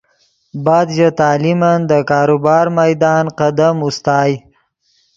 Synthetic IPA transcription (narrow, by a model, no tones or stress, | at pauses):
bɑːd̪ʒat̪ɑːlimand̪əkɑːɾubɑːɾmajd̪ɑːnqad̪amust̪ɑːj